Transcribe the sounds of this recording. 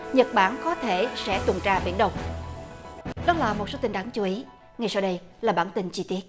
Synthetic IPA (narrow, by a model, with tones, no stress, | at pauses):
ɲə˨˩t̚ɓaː˧˩nkɔ˨˦t̪ʰe˧˩sɛ̰˧˥t̪wə˨˩nt͡ɕaː˧ɓḭ˧˩ənɗə˧˩wŋ͡m | ɗɔ˨˦laː˨˩mo˨˩so˨˦t̪i˧ŋɗaː˨˦ŋt͡ɕu˨˦ʔi˨˦ | ŋa˨˩jsaː˧wɗə˧j | laː˨˩ɓaː˧˩nt̪ï˧ŋt͡ɕi˧t̪i˦˥ət̚